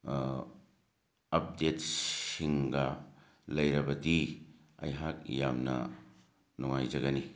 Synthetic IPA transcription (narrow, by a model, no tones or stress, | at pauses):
ɐp̚det̚siŋɡɐ | lɐjɾɐbɐdi | ɐ̰jɦak̚jamnɐ̰ | nuŋajd͡ʒɐɡɐni